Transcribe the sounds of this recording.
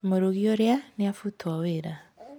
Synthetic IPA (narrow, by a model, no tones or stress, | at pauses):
moɾoɣioɾeaneafutʰwaweɾa